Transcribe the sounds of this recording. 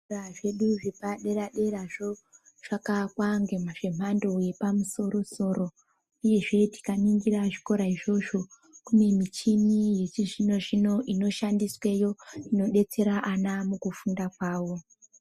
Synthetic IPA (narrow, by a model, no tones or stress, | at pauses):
raʐe̞ɗuʐepaɗe̞ɾaɗe̞ɾaʐo̞ | ʐ̥akakwaŋɡemaʐe̞mando̞je̞pamuso̞ɾo̞so̞ːɾo̞ | uje̞ʐe̞ti̥kaniŋɡiraʐiko̞ɾaiʐo̞ʐo̞ | kume̞mit͡ʃinije̞t͡ʃiʐino̞ʐino̞ʔino̞ʃandiswe̞jo̞ino̞ɗe̞t͡se̞ɾaʔanamukufundakwaːwo̞